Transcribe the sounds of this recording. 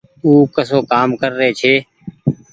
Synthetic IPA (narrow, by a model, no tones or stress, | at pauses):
uːkəsoːkaːmkəɾːəɦet͡ʃʰeː